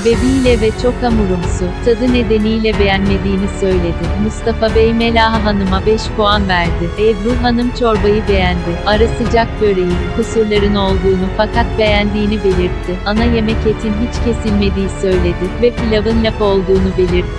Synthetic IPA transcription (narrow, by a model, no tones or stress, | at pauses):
vebijlʲɛvɛt͡ʃʰo̞kamuɾumsʊt̪ʰad̪ɯne̞d̪e̞nijlʲɛbe̞jænme̞d̪iːnisø̞jlʲe̞d̪ɪmust̪ʰafabejmelʲaːɦaɦanɯmabɛʃpuanvæɾd̪ɪed̪buɦanɯmt͡ʃʰo̞ɾbajɯbe̞jænd̪ɪaɾasɯd͡ʒak̚bø̞ɾejikʰusuɾlˠaɾɯno̞lˠd̪uːnufakʰat̪̚be̞jænd̪iːnibe̞lʲiɾt̪ʰːɪanaje̞mɛcet̪ʰinɦit͡ʃcʰe̞silʲme̞d̪ijisø̞jlʲe̞d̪ɪvɛpilʲavɯnlʲapo̞lˠd̪uːnube̞lʲiɾt̪